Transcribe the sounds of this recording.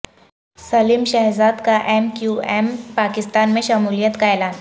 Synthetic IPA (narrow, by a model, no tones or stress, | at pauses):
sɐlimʃɛɦzad̪kaʔemkjuempakɪst̪anmẽʃɐmuːlijət̪kaelaːn